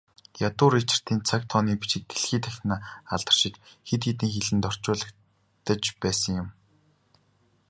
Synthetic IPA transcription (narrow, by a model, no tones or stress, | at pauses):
jat̪ʊːɾit͡ɕɪ̥̆r̥t̪iːnt͡sʰakt̪ʰɔːniːpi̥ʃɪ̆k̚ɡeɮxiːt̪ʰæxʲnaːaɮt̪ə̆r̥ʃɪ̆t͡ɕxet̪ɡet̪̬ɘ̆ːŋxeɮɘ̆nt̪ɔr̥t͡ɕʊːɮə̆k | t̪ə̆t͡ɕpæːsə̆ŋjʊm